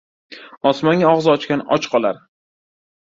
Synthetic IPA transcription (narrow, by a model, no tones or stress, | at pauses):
ɒsmɒŋɡʲaɒʁzɒt͡ʃkʲanɒ̰t͡ʃqʰɒlˠaɾ